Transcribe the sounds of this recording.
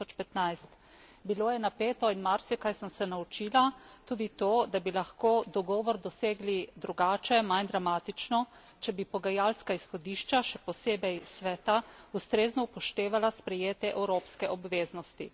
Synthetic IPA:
ɔt͡ʃpɛt̪najst̪ | biloːjɛnapeːt̪ɔinmaɾsikajsəmsɛnaut͡ʃiːlat̪uːd̪it̪oːd̪abilaxkoːd̪ɔɡɔːʋɔɾd̪ɔseːɡlid̪ɾuɡaːt͡ʃɛmajnd̪ɾamaːt̪it͡ʃnɔ | t͡ʃɛbipɔɡajaːlskaisxɔd̪iːʃt͡ʃaʃɛpɔseːbɛjsʋɛːt̪aust̪ɾeːznɔupɔʃt̪eːʋalaspɾɛjeːt̪ɛʔɛwɾoːpskɛʔɔbʋeːznɔst̪i

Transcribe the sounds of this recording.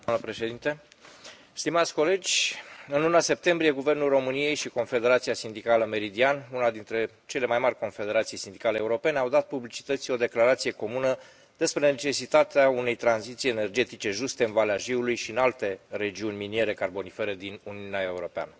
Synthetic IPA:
d̪amnəpɾe̞ʃe̞d̪int̪e̞ | st̪imat̪sʲko̞le̞d͡ʒʲɨnlunase̞p̚t̪e̞mbɾije̞ɡuve̞rnulro̞mɨnije̞jʃiko̞nfe̞d̪e̞ɾat̪siasind̪ikaləme̞ɾid̪ianunad̪int̪ɾe̞ | t͡ʃe̞le̞majmarʲko̞nfe̞d̪eɾat̪sijsind̪ikaleːuɾo̞pe̞neawd̪at̪̚publit͡ʃi̥t̪ət̪sʲo̞d̪e̞klaɾat̪sije̞ko̞munə | d̪̥e̞spɾe̞net͡ʃe̞sit̪at̪eaune̞jt̪ɾanzit̪sijene̞rd͡ʒe̞t̪it͡ʃe̞ʒust̪e̞ɨnvaleaʒiulujʃiɨnalt̪e̞re̞d͡ʒiunʲminie̞ɾe̞karbo̞nifeɾed̪inuniuneaeuɾo̞pea̰nə

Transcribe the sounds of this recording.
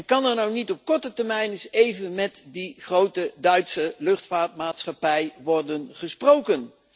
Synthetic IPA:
nkɑnɛɹnownitɔp̚kɔɹtətɛɹmɛjnɪsejvənmɛtdiχrowtədœɥtsəlɵχtfaːtmaːtsχɑpɛjʋɔɹdənχəsprowkən

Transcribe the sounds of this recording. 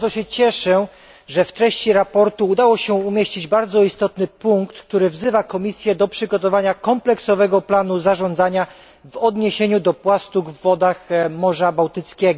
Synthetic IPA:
zɔɕɛt͡ɕɛʂɛ | ʐɛft̪ɾɛɕt͡ɕiɾapɔɾt̪uːd̪awɔɕɛumʲjeɕt͡ɕid͡ʑbaɾd̪zɔist̪ɔt̪nɘpuŋkt̪kt̪uɾɘvzɘvakɔmʲisʲjɛd̪ɔpʂɘɡɔt̪ɔvaɲakɔmplɛksɔvɛɡɔplanuzaʐɔnd̪zaɲa | vɔd̪ɲeɕeɲud̪ɔpwast̪uɡvːɔd̪axmɔʐabawt̪ɘt̪skʲɛɡɔ

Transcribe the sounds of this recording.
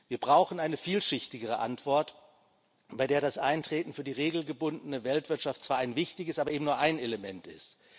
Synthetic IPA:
viːɐbʁaʊxn̩ʔaɪnəfiːlʃɪçtɪɡəʁ̞əʔa̰ntv̥ɔɐt | b̥aɪdeːɐɾasʔaɪntʁ̥eːtn̩fyːɐdiːʁeːɡl̩ɡəbʊndən̩əvɛltv̥ɪɐtʃaftt͡sv̥aːɐʔaɪnvɪçtɪçəsʔaːbɐʔeːbm̩nuːɐʔaɪneləmɛntɪ̰st

